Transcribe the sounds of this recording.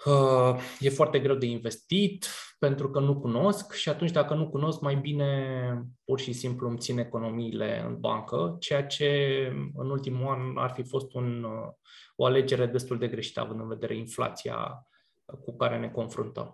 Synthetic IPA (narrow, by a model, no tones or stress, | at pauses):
əje̞foart̪e̞ɡɾe̞wd̪e̞inve̞st̪it̪pe̞nt̪ɾukənukuno̞skʃiat̪unt͡ʃʲd̪akənukuno̞skmajbine̞purʃisimpluəmt̪sine̞ko̞no̞miːle̞̰ɨ̰nba̰ŋkət͡ʃe̞jat͡ʃe̞ɨ̰nult̪imuana̰rfifo̞st̪un | o̞ale̞d͡ʒe̞ɾe̞d̪e̞st̪uld̪e̞ɡɾe̞ʃi̥t̪əa̰vɨnd̪ɨnve̞d̪e̞ɾʔe̞infla̰t̪sia̰ | kukaɾe̞ne̞ko̞nfɾṵnt̪ə̰m